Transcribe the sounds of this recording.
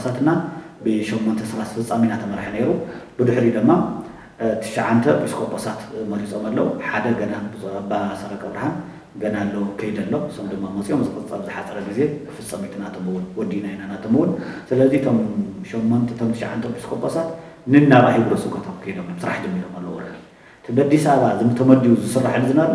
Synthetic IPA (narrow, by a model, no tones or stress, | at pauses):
sat̪ɨnabɨʃɛmːont̪ʰɐsɨɾasfɨt͡sʼːaminat̪ʰɐmɐɾħɐne̞ɾub̥ɨd̪ɨħɾid̪ɨmːa | t̪ʰɨ̥ʃaʕant̪ʰɐbiskʰʼopʼosat̪mɐlit͡sʼomalːɐwuħad̪ɐɡɐnazbasɐɾɐkʼɐβɾahan | ɡɐnalːɐwkʰɐjid̪ɐlːosomd̪ɨmːamɐt͡sʼijomzɨkʼɐt͡sʼɐβzɨħat͡sʼɐɾɐɡize̞fɨt͡sʼːɐmit̪ʰnat̪ʰomɨwʊnwɔd̪inajinanat̪ʰomɨwʊnsɨlɐzit̪ʰomʃɛmːont̪ʰɐt̪ʰomt̪ʰɨʃa̰ʕa̰nt̪ʰɐpʰiskʰopʼːosat̪ | nɨnːaβahiɡɾosɨkʰɐt̪ʰat̪kʰɐjd̪omjmsɨɾa̰ħd͡ʒɐmːiɾomalːɐ̰wɾɐ̰u | t̪ʰɨbɐd̪isaβazɨnɨt̪ʰɐmɐd̪ijuzɨsɨrːaħɨnɨzɨnɐβ